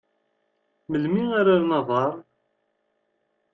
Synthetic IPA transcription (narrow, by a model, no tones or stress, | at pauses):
məlmiaɾaɾnɑðˤɑɾˤ